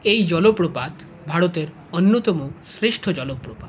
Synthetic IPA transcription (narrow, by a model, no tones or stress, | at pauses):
ejd͡ʒɔlopɾopad̪ | bʱaɽot̪eɾ | ɔnːot̪ɔmosɾeʃʈʰɔd͡ʒɔlopːɾopa